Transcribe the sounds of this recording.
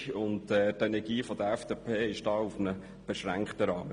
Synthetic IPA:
ʊntɛːtɛnɛɾɡiːfɔd̥̪əɛfd̥eːpʰeːɪʃd̥ɑːufnə | b̥eʃɾæ̰ŋkχtəɾɑːmə

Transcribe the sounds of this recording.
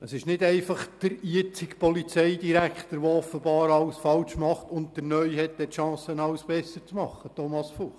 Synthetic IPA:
əsɪʃnɪdɛɪfɑχd̥əɾiət͡sɪkpɔlit͡sɛɪdiɾækt̪əɾʋoɔfəbɑːɾɑwsfɑlʃmɑχtʊnt̚dəɾnœʏhɛtdɛtʃɑ̃ːsənɑwsb̥ɛsːət͡smɑχːətɔmɑsfuχ

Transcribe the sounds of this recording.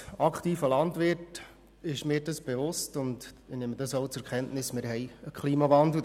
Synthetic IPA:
ɑkχtiːfəlɑndʋɪt | ɪʃmɪːdɑsb̥eʋʊstʊndnɪməd̥ɑsoʊt͡sʊkχɛntnɪsmɪɾɦɛɪəkχliːmɑʋɑndl̩

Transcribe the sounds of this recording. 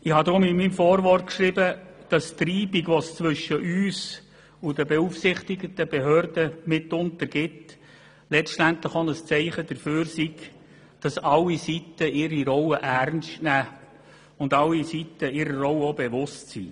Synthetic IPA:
ɪhɑd̪ɾʊmɪnmimfɔːɾʋɔrt̚kʃɾibəd̥ɑst̪riːbiɡʋɔst͡sʋʏʃːəʔyːs | udəbɛuːfsɪχt̪iɡət̪əb̥ɛɦøːɾdəmɪtʊntəɾɡ̥ɪt | lɛt͡ʃtænt̪ləχonəst͡sɛɪχəd̥̪əɾføːɾsiɡ | d̥ɑsɑlːisitəɪɾiɾɔwəʔæɾnʃtnæː | ʊndɑlːisitəɪɾərɔwəobɛʋʊstsḭ

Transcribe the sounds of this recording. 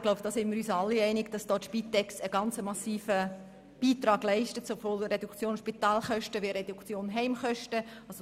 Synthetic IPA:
ɡ̥loʊbd̥ɑːsɪnmɪɾyːsɑlːiɛɪnɪɡ̥d̥ɑsd̥ɔːtʃpiːt̪ɛksəɡ̥ɑnt͡səmɑsiːfə | b̥iːt̪ɾɑːɡ̥lɛɪʃtətsobvoːlɾɛdukt͡sjoːnʃpitɑːlχœʃtəʋiɾɛdukt͡sjoːnɦɛɪmχœʃtə | ɑso

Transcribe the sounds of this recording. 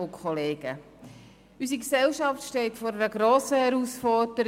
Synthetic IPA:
ʊkʰχoleːɡ̥ə | ysiksɛlʃɑftʃtɛɪtfɔɾɛɾəɡɾoːsəhɛɾusfɔɾdəɾ

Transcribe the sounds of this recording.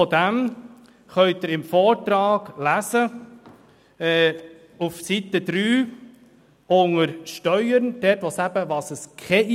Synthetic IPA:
ɔd̪æm | χœʏt̪ɪɾɪmfɔːɾtɾɑːɡ̥læzə | ɛː | ufsit̪əd̥̪ɾyː | oŋəɾʃtœʏəɾnd̥ɛːtʋosæbəʋɑːsəskʰɛi

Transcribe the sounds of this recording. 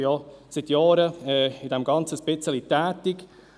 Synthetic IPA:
jɑsɪt̪jɑːɾəɛɪd̥ɛmɡ̥ɑnt͡səʃpɪt͡səlit̪ɛːtɪk

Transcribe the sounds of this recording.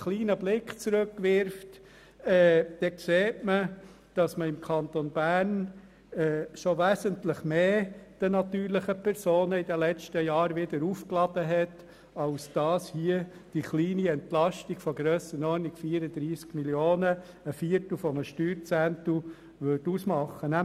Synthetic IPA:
χliːnəblɪkχt͡sɾʉkːʋɪɾft | ɛːd̥ɛkseːtmə | d̥ɑsməɪmkʰɑnt̪onbæːɾn | ɛːʃoʋæːsəntlɪχmeːd̥ənɑt̪yːɾlɪχəpʰɛɾsoːnəɪdəlɛt͡stəjɑːɾʋɪdəɾuːfklɑd̥əɦɛt | ɑlsd̥ɑːshiə | d̥iχliːniɛntlɑʃtiɡ̥fɔɡɾœːsənɔnikfiːəɾəd̪ɾiːskmiljoːnəː | fiəɾtl̩ˠfɔməʃtyːɾt͡sænt̪u | ʋʏdusmɑχːənæ

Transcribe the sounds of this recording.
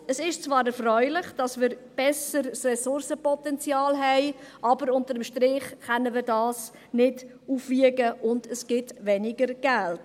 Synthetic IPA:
əsɪʃt͡svɑːɾɛɾfrœʏlɪχd̥ɑsmɪːɾb̥ɛsəɾsrɛsʊɾsəpɔtɛnt͡sjɑːlɦɛɪʔɑbəɾʊntəɾəmʃtɾɪχχɛnəmɪːɾdɑːs | nɪd | uːfviəɡəʔʊndəsɡ̥ɪtʋɛnɪɡəɾɡ̥ælt

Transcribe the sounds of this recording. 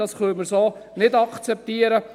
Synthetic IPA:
ɑsχœməɾsoːnɪdɑkt͡sɛp̚t̪iːəɾə

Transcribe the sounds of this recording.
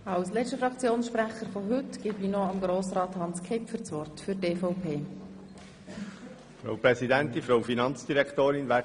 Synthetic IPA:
ɑwslɛt͡ʃtəfɾɑkt͡sjoːnsʃpɾæχəɾfɔɦʏtɡ̥ɪbinɔɑmɡɾoːsɾɑːt̪hɑnskʰepfət͡sʋɔrtfʏteːfɔʊpʰeː | fɾa̰wpɾɛsidænt̪infɾawfinɑnt͡sd̥̪iɾɛkʰt̪oːɾɪnʋæ

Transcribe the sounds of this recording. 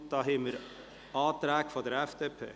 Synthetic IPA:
d̥ɑːɦɛːməɾ | ɑːt̪ɾæːkfɔdəɾɛfd̥eːpʰḛː

